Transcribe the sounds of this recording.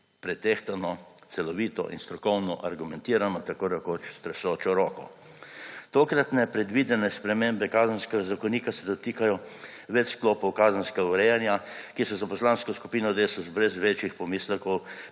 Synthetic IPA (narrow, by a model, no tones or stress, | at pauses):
pɾɛt̪eːxt̪anɔt̪sɛlɔʋiːt̪ɔ̰ʔḭnst̪ɾɔkɔwnɔʔaɾɡumɛ̃nt̪iːɾanɔt̪akoːd̪akot͡ʃst̪ɾɛsoːt͡ʃɔɾoːkɔ̰ | t̪oːkɾat̪nɛpɾɛd̪ʋiːd̪ɛnɛspɾɛmeːmbɛkaːzənskɛɡazakɔniːkasɛd̪ɔt̪iːkajɔʋɛt͡ʃskloːpɔwkaːzənskɛɡauɾɛjanjakisɔzapɔslanskɔskupiːnɔd̪eːsɔzbɾɛzʋeːt͡ʃjixpɔmiːslɛkɔw